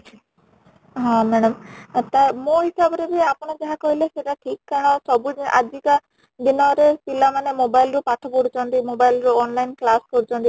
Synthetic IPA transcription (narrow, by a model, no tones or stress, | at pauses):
ɦɔ̃mɛɽɔmt̪amoɦisabɔɾebiapɔɽ̃ɔd͡ʒaɦakoɦileseʈaʈʰikːaɦasɔbuʔa̰d͡ʒika | d̪inɔɾepilamanemobajlɾupaʈʰɔpoɽut͡ʃʰɔnt̪imobajlɾuɔnlajnklaskɔɾut͡ʃʰɔnt̪i